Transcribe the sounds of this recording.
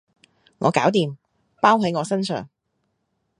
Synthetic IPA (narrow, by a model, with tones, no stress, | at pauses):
ŋɔ̰ː˨˧kaː˨˥wt̪iː˨m | paː˥wɦɐ˨˥jŋɔː˨˧sɐ˥nsœ̰ː˨ŋ